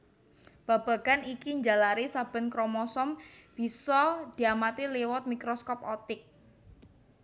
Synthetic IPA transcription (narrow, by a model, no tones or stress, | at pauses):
b̥a̤b̥a̤ɡ̥anikiɲd͡ʒalaɾisab̥ə̤nkɾɔmɔsɔmb̥i̤sɔd̪̥i̤amat̪iliwɔt̪̚mikɾɔskɔpɔt̪ɪk̚